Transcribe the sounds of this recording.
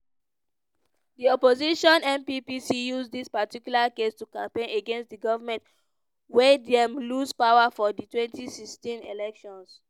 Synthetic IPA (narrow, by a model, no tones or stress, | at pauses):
diɔpoziʃɔ̃nɛ̃mpipisijuzdispatikjulakestukãmpẽneɡɛ̃nstdiɡɔvamɛ̃nt | wedɛmluspaʊafɔditwɛ̃ntisistĩnelɛkʃɔ̃ns